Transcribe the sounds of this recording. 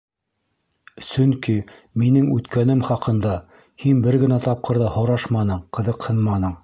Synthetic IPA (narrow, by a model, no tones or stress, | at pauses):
sɵŋki | minɘŋʉt̪kænɘmχɑqɤ̆nd̪ɑ | hinbɘɾɡɘ̆næt̪ɑp̚qɤ̆ɾðɑhŏɾɑʃmɑnɤɴqɤ̆ðɤqhɤnmɑnɤɴ